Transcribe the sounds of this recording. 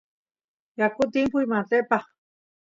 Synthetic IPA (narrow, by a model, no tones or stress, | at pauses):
jakut̪̬impuimat̪epa